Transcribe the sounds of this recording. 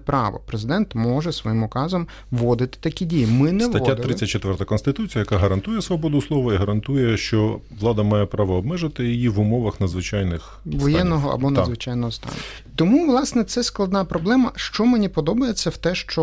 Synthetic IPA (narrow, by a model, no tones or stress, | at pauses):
pɾɑ̰ʋɔ̰pɾezɪd̪ɛnt̪mɔʒɛsʋɔjimʊkɑzɔm | ʋɔd̪ɪt̪ɪ̥t̪ɐkʲidʲijimɪnɛt̪ɐt̪ʲːat̪ɾɪːɐt̚ʲt͡ʃːet̪ʋɛrt̪ɐkɔnst̪ɪt̪ut͡sʲijɐjɐkaɦɐɾɐnt̪ujɛsʋɔbɔd̪ʊslˠɔʋɐiɦɐɾɐnt̪ujɛʃt͡ʃɔʋlˠɑd̪ɐmɑjɛpɾɑʋɔːbmɛʒɪt̪ɪjijiʋʊmɔʋɐxnɐd̪zʋɪt͡ʃɑjnɪx | ʋɔjɛnnːɔɦɔɐ̰bɔnɐdzʋɪt͡ʃɑjnɔɦɔst̪ɑ̰n | t̪ɔmuʋlˠɑsnɛt̪sɛsklˠɐd̪nɑpɾɔblˠɛmɐʃt͡ʃɔmenʲipɔd̪ɔbɐjet͡sʲːɐwt̪ɛʃt͡ʃɔ